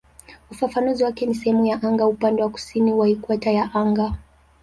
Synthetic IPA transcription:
ufafanuziwakɛnisɛhɛmujaʔaŋɡaupandɛwaku̥siniwaikuatajaʔaŋɡa

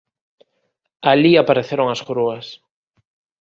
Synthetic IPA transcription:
aliapaɾeθeɾoŋasxɾuas

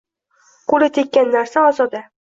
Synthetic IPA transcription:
qʰolɪt̪ʰekʲːanːaɾsaɒzɒd̪a

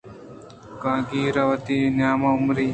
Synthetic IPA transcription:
kãːɡiːɾɐʋɐt̪injaːmɐʊmɾiː

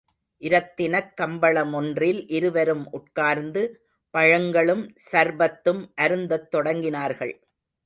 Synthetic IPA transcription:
ʔɪɾɐt̪ːɪnɐkːɐmbɐɭɐmɔndrɪlʔɪɾɯʋɐɾɯmʔʊʈ̚kaːɾnd̪ɯ | pɐɻɐŋɡɐɭɯmsɐɾbɐt̪ːɯmʔɐɾɯnd̪ɐt̪ːɔɽɐŋɡɪnaːɾɣɐɭ

